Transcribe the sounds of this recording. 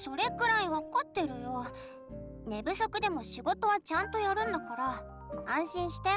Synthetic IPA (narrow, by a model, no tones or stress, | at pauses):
so̞ɾe̞kɯ̟ɾaiβakat̪ːe̞ɾɯ̟jo | ne̞bɯ̟so̞kɯ̟d̪e̞mo̞ɕiɡo̞t̪o̞βat͡ɕãnt̪o̞jaɾɯ̟̃nd̪okaɾa | ãɰ̃ɕĩɰ̃ɕi̥t̪e